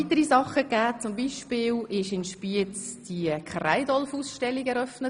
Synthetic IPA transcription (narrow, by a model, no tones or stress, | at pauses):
it̪əɾisɑχəɡæːt͡sʊmbiːʃpɪːlɪʃɪnʃpiət͡sd̥iəkʰra̰ɪdɔlfuːsʃtɛlːiɡɛɾœfnə